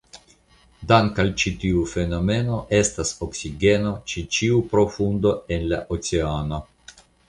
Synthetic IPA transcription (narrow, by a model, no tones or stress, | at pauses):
daŋkalt͡ʃitiufe̞no̞me̞no̞ʔe̞staso̞ksiɡe̞no̞t͡ʃit͡ʃiupɾo̞fundo̞e̞nlaʔot͡seano̞